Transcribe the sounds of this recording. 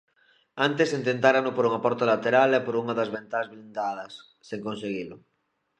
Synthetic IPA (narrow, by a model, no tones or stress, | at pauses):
ant̪esent̪ent̪aɾanopoɾuŋapɔɾt̪olat̪eɾalepoɾuŋaðazβent̪azβlind̪að̞ɐsːeŋkonseɣ̞ilʊ